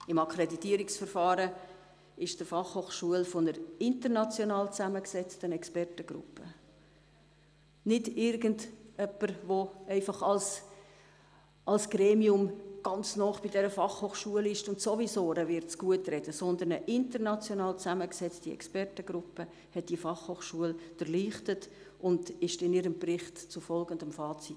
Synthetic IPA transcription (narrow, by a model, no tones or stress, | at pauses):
ɪmɑkʰɾeditiəɾiksfəɾfɑːɾə | ɪʃd̥əfɑχhoːχʃuəlfonəɾɪntəɾnɑt͡sjonɑːlt͡sæməksɛt͡stənɛkspɛrtəɡ̥ɾʊ̰pːə | nɪdɪɾɡəndœpːəɾvoɛɪfɑχɑls | ɑlsɡ̥ɾeːmiʊmɡ̥ɑnt͡snɔːχb̥idɛɾəfɑχhoːχʃuəlɪʃtʊntsovisoːɾəvɪɾtt͡sɡ̥uətrɛd̥əsɔnd̪əɾnəʔɪntəɾnɑt͡sjɔnɑːlt͡sæməksɛt͡stiɛ̰kspɛrtəɡɾʊpːə | hɛt̚d̥ifɑχhoːχʃuəld̥əɾliːχtət | ʔʊnd̥ɪʃtɪnɪɾəmbrɪχtt͡sʊfɔlɡəndəmfɑːt͡sit